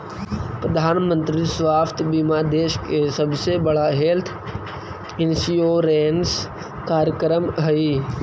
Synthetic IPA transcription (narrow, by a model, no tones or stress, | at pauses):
pɾəd̪ʱaːnmə̃nt̪ɾisʋaːft̪ʰbiːmad̪eːʃkesəbsebəɽaɦeːlt̪ʰ | ɪnsioɾeːns | kaːɾəkɾəmɦəi